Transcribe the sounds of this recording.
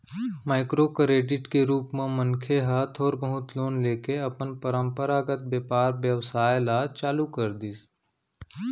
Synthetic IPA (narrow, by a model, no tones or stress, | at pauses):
maːɪkɾokɾeːɖɪʈkeɾuːpmẽmənkʰeɦat̪ʰɔːɾbəɦʊt̪loːnleːkeɐpənpəɾə̃mpəɾaːɡət̪̚bjeːpaːɾbjəʋsaːjlaːt͡ʃaːlukəɾd̪is